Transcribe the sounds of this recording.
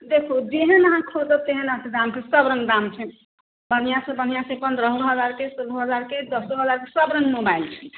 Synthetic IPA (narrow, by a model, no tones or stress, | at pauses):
d̪ekʰod͡ʒeɦenəɦãkʰot̪ət̪eɦenaɦãked̪amkesʌbɾəŋɡd̪amt͡ʃʰɛ | bən̤ijasə̃bən̤ijãsẽpənd̪ɾəɦɾɦəd͡ʒaɾkesoluɦəd͡ʒaɾked̪ʌsoɦəd͡ʒaɾkesəbɾənmobailt͡ʃʰɛ̥